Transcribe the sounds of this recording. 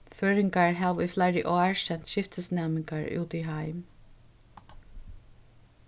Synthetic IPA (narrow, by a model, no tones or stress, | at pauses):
føːɹɪŋɡɑɹhɑːʋiːflaɪɹɪʔoːæɹʃɛnt̪ʃɪft̪ʰəsnæmɪŋɡɑɹʉ̰ːt̪iːɦɑɪm